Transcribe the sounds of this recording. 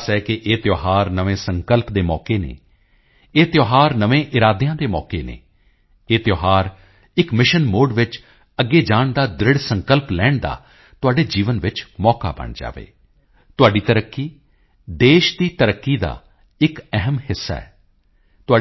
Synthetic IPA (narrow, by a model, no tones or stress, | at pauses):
sɛːkɪʔeːt̪joːɦaːɾnəʋẽːsəŋkəlpd̪eːmɔːkeːnḛː | eːt̪joːɦaːɾnəʋẽːʔɪɾaːd̪jãːd̪eːmɔ̰ːkeːnḛː | eːt̪joːɦaːɾ | ɪkmɪʃənmoːɖʋɪt͡ʃ | əɡːeːd͡ʒaːɳd̪aːd̪ɾɪɽsəŋkəlplɛːɳd̪a̰ː | t̪ʊaːɖeːd͡ʒiːʋənʋɪt͡ʃmɔːka̰ːbə̰ɳd͡ʒa̰ːʋḛː | t̪ʊaːɖiːt̪əɾəkːiː | d̪eːʃd̪iːt̪əɾəkːiːd̪a̰ː | ɪkɛɦəmhɪsːa̰ːɛː | t̪ʊaː